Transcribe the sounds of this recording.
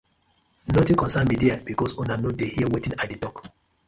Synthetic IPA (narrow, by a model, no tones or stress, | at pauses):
nɔtĩkɔ̃nsãnmidiabikɔsũnanodehiɛwetĩnadetɔk